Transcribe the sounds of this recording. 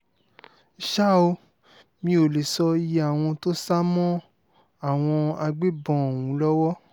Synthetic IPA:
i˨ʃa˦o˧ | mĩ˧o˨le˨sɔ˧ji˧˦a˨w̃ɔ̃˧to˦sa˦mɔ̃˦ | a˦˨w̃ɔ̃˧a˧ɡ͡be˦bɔ̃˦˨wũ˨˦lɔ˦wɔ˦

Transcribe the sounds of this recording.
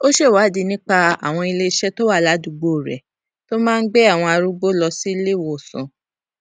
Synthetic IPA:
o˦ʃe˦˨wa˨˦di˨˧nĩ˦k͡pa˧a̰˨w̃ɔ̃˧i˧le˧ʃɛ˦to˦wa˦˨la˨˦du˧˨ɡ͡bo˦˨ɾɛ̰˨ | to˦mãː˦n̩˦ɡ͡bɛ˦a˦˨w̃ɔ̃˧a˧ɾu˦ɡ͡bo˦lɔ˧si˦le˦˨wo˨sṵ̃˨

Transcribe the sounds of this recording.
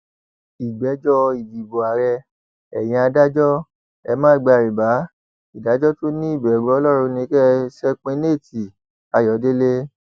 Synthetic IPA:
i˨ɡ͡bɛ˨˦d͡ʒɔ˦˧i˨bi˨bo˨a˨ɾɛ˧ | ɛ˨j̃ĩ˧a˧da˦d͡ʒɔ˦ | ɛ˧mã˦˨ɡ͡ba˧˨ɾi˨ba˨˦ | i˨da˨˦d͡ʒɔ˦to˦nĩ˦i˦˨bɛ˨ɡ͡bɔ˨˦ɔ˧˦lɔ˦˨ɾ̃ũ˧nĩ˧kɛ˦sɛ˦k͡pẽ˧ne˦˨ti˨ | a˧jɔ˨˦de˦le˦

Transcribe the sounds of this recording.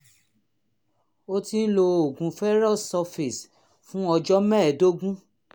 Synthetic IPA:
o˦ti˦n̩˦lo˧o˨ɡũ˨˧fɛ˦ɾɔ˦˨sɔ˧fi˨s | fũ˦ɔ˧d͡ʒɔ˦mɛ̃˦˨do˦ɡũ˦

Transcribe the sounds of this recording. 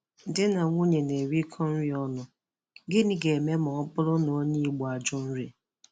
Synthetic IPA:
dɪ˦na˨ŋʷo˦ɲe˨ne˨ɾi˦kʰɔ˦n̩˦ɾi˦ɔ˦nʊ˨ | ɡɪ˦ni˦ɡe˨me˦mɔ˨ɔ˦pʊ˦lʊ˦nɔ˨˦ɲi˦ɡ͡bɔ˨a˨d͡ʒʊ˦n̩˦ɾe˨

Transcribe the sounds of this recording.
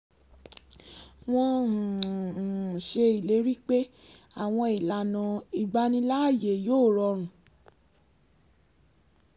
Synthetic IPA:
w̃ɔ̃˧˨ | ʃe˧i˨le˨˦ɾi˦k͡pe˦ | a˦˨w̃ɔ̃˧i˨la˨˦nã˨i˨ɡ͡ba˧nĩ˧la˦˨je˨joː˦˨ɾɔ˧ɾ̃ũ˨

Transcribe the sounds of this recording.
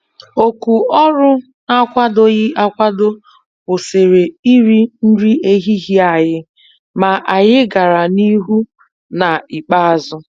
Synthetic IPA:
o˨ku˨ɔ˦ɾʊ˦ | na˦kʷa˦do˦ɣɪ˦ʔa˦kʷa˦do˦ | bʊ˨se˨ɾe˨i˦ɾi˦n̩˦ɾi˦e˦ɦi˦ɦi˦a˨ɣɪ˦ | ma˨ʔa˨ɣɪ˦ɡa˨ɾa˨ni˦ɦu˦ | na˨ɪ˨k͡pa˦a˦zʊ˦

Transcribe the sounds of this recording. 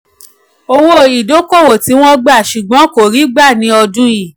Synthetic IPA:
o˧wo˦˨i˨do˨˦ko˦˨wo˨ti˧˦w̃ɔ̃˦ɡ͡ba˦˨ʃu˨ɡ͡bɔ̃˨˦ko˨ɾi˨˦ɡ͡ba˦˨nĩ˨˦ɔ˧dũ˦i˦˨

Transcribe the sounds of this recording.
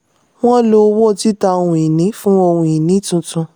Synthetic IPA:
w̃ɔ̃˦lo˧˦wo˦˨˧ti˦ta˧o˧hũ˨i˨nĩ˨˦fũ˦o˧hũ˨i˨nĩ˨˦tũ˧tũ˧

